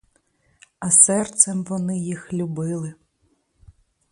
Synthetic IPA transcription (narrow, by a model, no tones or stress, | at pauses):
ɐsɛrt̪sɛmʋɔnɪjixlʲubɪlˠɪ